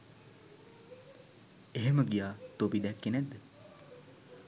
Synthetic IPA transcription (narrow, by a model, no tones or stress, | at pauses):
eɦeməɡijaːt̪obid̪ɛkːenɛd̪ːə